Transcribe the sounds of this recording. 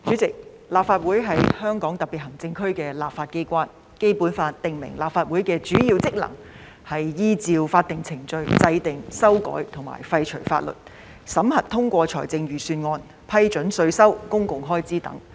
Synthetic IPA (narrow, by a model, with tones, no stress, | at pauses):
t͡ʃyː˨˥t͡sɪ˨k̚ | laː˨pfaː˧t̚wuː˨˥jɦɐ˨˥jhœː˥ŋkɔː˨˥ŋt̪ɐ˨k̚pi˨t̚hɦɐ˨˩ŋt͡sɪ˧ŋkʰɵ˥ɥkɛː˧laː˨p̚faː˧t̚ke˥jkʷaː˥n | ke˥jpu˨˥nfaː˧t̚t̪ɪ˨ŋmɪ̰˨˩ŋlaː˨˩pfaː˧t̚wu˨˥jkɛː˧t͡ʃyː˨˥jiː˧wt͡sɪ˥k̚lɐ̰˨˩ŋ | hɐ˨jjiː˥t͡siː˧wfaː˧t̚t̪ɪ˨ŋt͡sʰɪ˨˩ŋt͡ʃɵ˧ɥt͡sɐ˧jt̪ɪ˨ŋsɐ˥wkɔ̰ː˨˥jt̪ʰʊ˨˩ŋma̰ː˨˩jfɐ˧jt͡ʃʰɵ˨˩ɥfa̰ː˧t̚lɵ̰˨˩t̚ | sɐ˨˥mhɐ˨t̚t̪ʰʊ˥ŋkʷɔː˧t͡ʃʰɔ̰ː˨˩jt͡sɪ˧ŋjyː˨syː˧nŋɔː˧n | pʰɐ˥jt͡ʃɵ˨˥nsɵ˧ɥsɐ˥wkʊ˥ŋkʊ˨ŋɦɔː˥jt͡siː˥t̪ɐ̰˨˥ŋ